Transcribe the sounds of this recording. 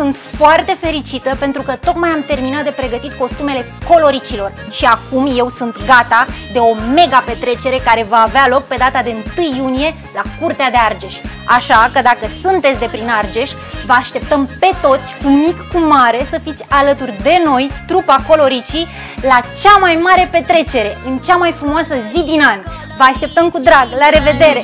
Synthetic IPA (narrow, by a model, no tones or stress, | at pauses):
sunt̪foart̪e̞fe̞ɾit͡ʃit̪əpe̞nt̪ɾukət̪o̞k̪majamt̪e̞rminat̪̚d̪epɾe̞ɡət̪it̪ko̞st̪ume̞le̞ko̞lo̞ɾit͡ʃilo̞rʃiakumje̞wsunt̪ɡat̪ad̪e̞o̞me̞ɡape̞t̪ɾe̞t͡ʃe̞ɾe̞kaɾe̞vaːvealo̞k̚pe̞d̪at̪ad̪e̞ɨnt̪ɨjːunije̞ | lakurt̪ead̪e̞ard͡ʒeʃʲ | aʃakəd̪akəsunt̪et̪sʲd̪e̞pɾinard͡ʒe̞ʃʲ | vəaʃt̪e̞p̚t̪əmpe̞t̪o̞t̪sʲkumikːumaɾe̞səfit̪sʲalət̪urʲd̪e̞no̞jt̪ɾupako̞lo̞ɾit͡ʃi | lat͡ʃamajmaɾe̞pe̞t̪ɾe̞t͡ʃe̞ɾe̞ɨnt͡ʃamajfɾumoasəzid̪inanʲ | vəaʃt̪e̞p̚t̪əmkud̪ɾaɡlaɾe̞ve̞d̪e̞ɾe̞